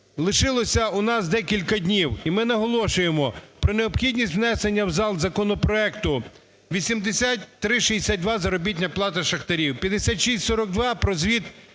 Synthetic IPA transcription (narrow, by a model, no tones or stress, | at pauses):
lˠɪʃɪlˠɔsʲɐʊnɑsd̪ɛkʲilʲkɐd̪ʲnʲiwimɪnɐɦɔlˠɔʃʊjemɔpɾɔneɔpxʲidʲnʲisʲtʲwnɛsenʲːɐwzɑlˠzɐkɔnɔpɾɔɛkt̪ʊ | ʋʲisʲimd̪esʲatʲt̪ɾɪʃiesʲat̪̚ʲd̪ʋɑzɐɾɔbʲit̬ʲnʲɐplˠɑt̪ɐʃɐxt̪ɐɾʲiwpʲjɐd̪esʲat̪ʲʃisʲtʲsɔɾɔɡ̚d̪ʋɑpɾɔzʋʲit̪